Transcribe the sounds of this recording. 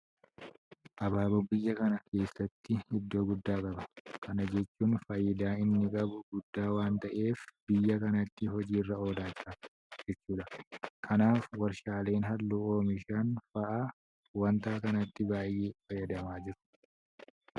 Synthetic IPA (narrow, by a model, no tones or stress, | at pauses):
ʔɐbaːbʊbɪjːɐkɐnɐke̞ːsːɐt̪ːɪhɪd̪ːo̞ːɡʊd̪ːaːkʼɐbɐkʰɐnɐd͡ʒɛt͡ʃːuːnfɐjːɪd̪aːɪnːɪkʼɐbʊɡʊd̪ːaːwaːnt̪ɐʔeːfbɪjːɐkɐnɐt̪ːɪɦɔd͡ʒiːrːɐo̞ːlaːt͡ʃːɐ | d͡ʒɛt͡ʃːuːᶑ̪ɐkʰɐnaːfwɐɾʃaːle̞ːnɦɐlːuoːmɪʃɐnfɐʔaː | wɐnt̪aːkɐnɐt̪ːɪbaːjːeːfɐjːɐd̪ɐmaːd͡ʒɪɾʊ̥